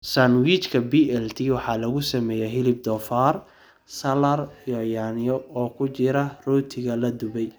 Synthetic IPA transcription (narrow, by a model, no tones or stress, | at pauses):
sanwit͡ʃkʰɐbiːɛlt̪ʰiwɑħɑːlɐɣʊsɐmɛːjɛɦɪlɪb̚d̪ɔfaːr | sɐlɐrjɔjaːnɪjɔɔːkʰʊt͡ʃɪɾɐrɔːt̪ʰɪɣɐlɐd̪ʊβɛj